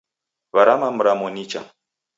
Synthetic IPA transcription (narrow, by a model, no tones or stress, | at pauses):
βaɾamam̩ɾamɔnit͡ʃa̰